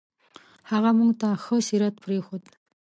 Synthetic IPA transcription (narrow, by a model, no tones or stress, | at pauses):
haʁamuŋt̪axəsiɾat̪̚pʰɾexod̪